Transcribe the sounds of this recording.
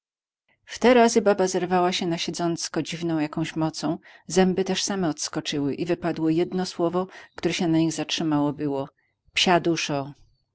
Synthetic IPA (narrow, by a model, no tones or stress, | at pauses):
ft̪ɛɾazɘbabazɛɾvawaɕɛnaɕɛd̪zɔnt̪skɔd͡ʑivnɔ̃w̃jakɔ̃w̃ɕmɔt̪sɔ̃w̃zɛmbɘt̪ɛʂsamɛɔt̪skɔt͡ʂɘwɘʔivɘpad̪wɪjɛd̪nɔswɔvɔkt̪uɾɛɕɛnaɲiɣzatʂɘmawɔbɘwɔ | pɕad̪uʂɔ